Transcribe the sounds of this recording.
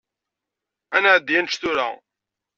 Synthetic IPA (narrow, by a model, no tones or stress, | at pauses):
ænʕəd̪ːjænt͡ʃθuɾæ̰